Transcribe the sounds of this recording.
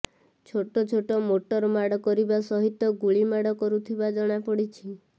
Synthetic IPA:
t͡ʃʰoʈɔt͡ʃʰoʈɔmoʈɔɾmaɽɔkɔɾibasɔɦit̪ːɔɡuɭimaɽɔkɔɾut̪ʰibad͡ʒɔɽ̃apɔɽit͡ʃʰi

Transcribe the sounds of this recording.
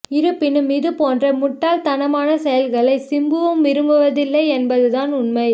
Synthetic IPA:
ɪɾɯpːɪnɯmɪðɯpoːndrɐmʊʈːaːlt̪ɐnɐmaːnɐsɛjɐlɣɐɭɐɪsɪmbɯʋɯmʋɪɾɯmbɯʋɐðɪlːɐɪɛnbɐðɯðaːnʊnmɐɪ

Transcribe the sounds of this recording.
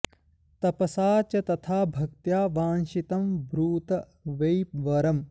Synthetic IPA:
t̪ɐpɐsaːt͡ʃɐt̪ɐt̪ʰaːbʱɐk̚t̪jaːʋaːnʃit̪ɐmbɾuːt̪ɐ | ʋɐjpʋɐɾɐm

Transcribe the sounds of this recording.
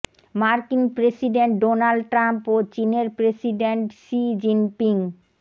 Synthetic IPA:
maɾkinpɾesiɖeɳʈ̚ɖonalɖʈɾampot͡ɕineɾpɾesiɖeɳʈsid͡ʑinpiŋ

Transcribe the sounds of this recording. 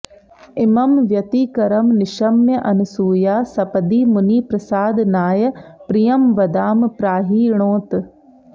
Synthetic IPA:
ɪmɐmʋjɐt̪iːkɐɾɐmnɪʃɐmjɐʔɐnusuːjaːsɐpɐd̪iːmuniːpɾɐsaːd̪naːjɐpɾijɐmʋɐd̪aːmpɾaːɦiːɾɳ̃oːt̪

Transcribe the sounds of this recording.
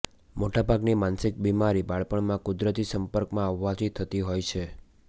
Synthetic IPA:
moʈabʱaɡnimansɪk̚bimaɾibaɭpəɳmãkʊd̪ɾət̪isəmpəɾkmãəʋːad͡ʒit̪ʰːət̪iɦojt͡ʃʰe

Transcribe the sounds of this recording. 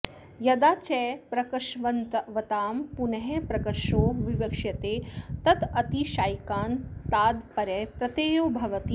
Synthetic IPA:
jɐd̪aːt͡ʃɛːpɾɐkɐʃʋɐnt̪ɐʋɐt̪aːmpunɐɦepɾɐkɐɾʂoːʋiʋɐkʂjɐt̪eːt̪ɐt̪ɐt̪iʃaːjkaːnt̪aːd̪pɐɾɛːpɾɐt̪eːjoːbʱɐʋɐt̪i

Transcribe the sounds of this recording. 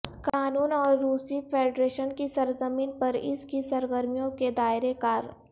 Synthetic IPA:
kaːnuːnɔːɾːuːsipʰeːɖɾeːʃənkisɐɾzəmiːnpɐɾɪskisɐɾɡəɾmijõked̪aːɪɾekaːɾ

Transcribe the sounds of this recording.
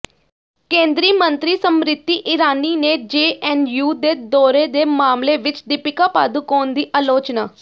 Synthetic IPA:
kẽːnd̪ɾiːmənt̪ɾiːsəmɾɪt̪ːiːʔɪɾaːniːneːd͡ʒeːʔɛːnjuːd̪eːd̪ɔːɾeːd̪eːmaːmleːʋɪt͡ʃd̪ɪpɪkaːpaːd̪uːkoːnd̪iːʔaːloːt͡ʃnaː

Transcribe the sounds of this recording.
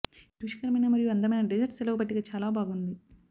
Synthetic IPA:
ʈuʃi̥kɐɾɐmɐjnɐmɐɾijuɐnd̪ɐmɐjnɐɖed͡ʒɐɾʈselɐkubɐʈːiɡaːt͡ʃaːlaːbʱaːɡund̪i

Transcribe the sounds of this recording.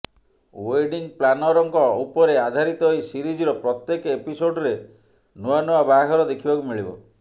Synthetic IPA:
weɖiŋplanɔɾɔŋkɔupɔɾead̪ʱaɾit̪ɔɦisiɾid͡ʒiɾɔpɾɔt̪jekepisoɖɔɾe | nuanuabaɦɔɾɔd̪ekʰibakumiɭibɔ̰

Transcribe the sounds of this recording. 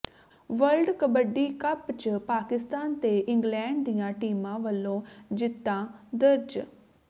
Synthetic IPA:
ʋəlɖkəbəɖiːkəpt͡ʃəpaːkɪst̪aːnt̪eːʔɪŋɡlɛ̃ːɳɖ̚d̪ijãːʈiːmãːʋəlːõːd͡ʒɪt̪ːãːd̪əɾd͡ʒ

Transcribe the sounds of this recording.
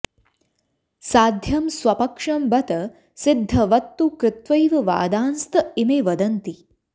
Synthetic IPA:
saːd̪ʱjɐmsʋɐpɐkʂɐmbɐt̪ɐ | sɪd̪ʱːɐʋɐt̪ːukɾɪt̪ʋɐjʋɐʋa̰ːd̪aːnst̪ɐimeːʋɐd̪ɐnt̪i

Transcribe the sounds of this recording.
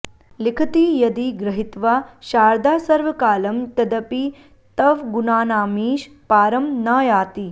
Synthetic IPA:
likʰɐt̪ijɐd̪iɡɾɐɦit̪ʋaːʃaːɾd̪aːsɐɾʋɐkaːlɐmt̪ɐd̪ɐpi | t̪ɐʋɡunaːnaːmiːʃ | paːɾɐmnaːjaːt̪i

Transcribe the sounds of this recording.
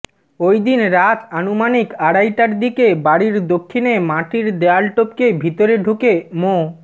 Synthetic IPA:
ojd̪inɾat̪anumanikaɽajʈaɾd̪ikebaɽiɾd̪okʰːinemaʈiɾd̪ealʈop̚kebʱit̪oɾeɖʱukemo

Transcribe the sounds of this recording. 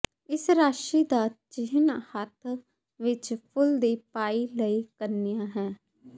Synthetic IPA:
ɪsɾaːʃiːd̪aːt͡ʃɪɦnhət̪ʰ | ʋɪt͡ʃpʰʊld̪iːpaːiːləiːkəɾniːjãːɦɛ̃ː

